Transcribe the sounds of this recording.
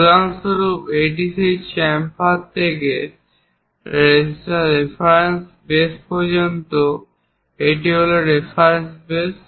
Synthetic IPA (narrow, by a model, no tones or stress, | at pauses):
d̪aŋsoɾupeʈ̬iset͡ɕɛmpat̪ʰeke | ɾɾesaɾefʰaɾens | bespɔɾd͡ʑont̪o | eʈiɦoleɾefʰaɾensbes